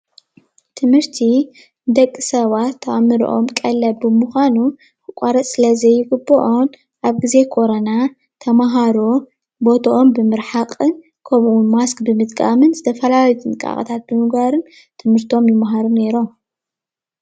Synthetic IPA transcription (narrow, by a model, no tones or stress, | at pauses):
t̪ʰɨmhɨɾt̪ʰi | d̪ɐkʼːɨsɐβat̪ʰːɐʔamːɨɾḭʔo̞̰mkʼɐlːɐbɨmuxʷanu | kɨkʷʼaɾɐt̪ʼsɨlɐzɐjːɪɡɨbːɐ̰ʔo̞n | ʔaβɡize̞kʰo̞ɾɐna | t̪ʰɐmaɦaɾo | bo̞t̪ʰɐʔombɨmɨɾħaqʼɨn | kʰɐmʔunmaskbɨmɨt̪ʼkʼa̰mɨnzɨt̪ʰɐfɐlaljut̪ʰɨnkʼa̰χʼɐ̰t̪ʰat̪̚bɨmɨɡaɾɨn | t̪ʰɨmhɨɾt̪ʰio̞mjɪmaɦaɾune̞ɾo̞m